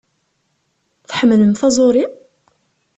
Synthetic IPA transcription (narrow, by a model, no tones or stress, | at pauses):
θħəmələmθæzˤoɾi